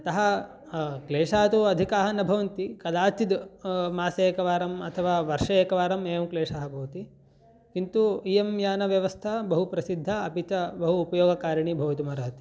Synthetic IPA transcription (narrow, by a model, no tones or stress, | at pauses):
t̪ɐɦɐ | kleːʂaːt̪uɐd̪ʱikaːɦɐnɐbʱɐʋɐnt̪ikɐd̪aːt͡ʃ̪id̪maːseeːkɐʋaːɾɐmɐt̪ʰɐʋaːʋɐɾʂɐeːkɐʋaːɾɐmeːɐmkleːʂaːɦɐboːt̪i | kint̪uijemjaːnɐʋjɐʋɐst̪ʰɐbɐɦupɾɐsid̪ʱːɐɐpit͡ʃɐbɐɦuːpɐjoːɡɐkaːɾɐɳibʱɐːʋɐt̪umɐɾɐɦɐt̪i̥